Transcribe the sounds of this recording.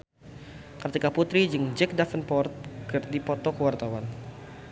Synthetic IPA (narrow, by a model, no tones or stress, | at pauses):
kət̪ikaput̪ɾid͡ʒɨŋd͡ʒɛk̚dafənpɔrt̪̚kərdipɔt̪ɔkəwart̪awan